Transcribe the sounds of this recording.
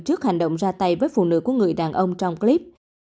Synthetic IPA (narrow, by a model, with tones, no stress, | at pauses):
t͡ɕɨ˦˥k̚ha˨˩jŋ̟ɗə̰˧˨wŋ͡mzaː˧t̪a˧jvəː˨˦jfṵ˧˨nɨ̰˧˥ku˧˩əŋɨ˨˩əjɗaː˨˩nʔə˧wŋ͡mt͡ɕɔ˧wŋ͡mkli˦˥p̚